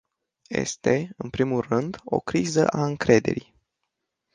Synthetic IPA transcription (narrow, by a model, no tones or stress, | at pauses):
je̞̰st̪e̞ɨnpɾimulrɨnd̪o̞kɾizəʔaɨŋkɾe̞d̪e̞ɾi